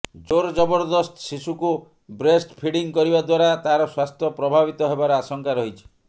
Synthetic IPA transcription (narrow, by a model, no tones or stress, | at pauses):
d͡ʒoɾd͡ʒɔbɔɾd̪ɔsʈɔsisuku | bɾesʈpʰiɽiŋkɔɾibad̪waɾat̪aɾɔswast̪ʰjɔpɾɔbʱaβit̪ɔɦebaɾeasɔŋkaɾɔɦit͡ʃʰi̥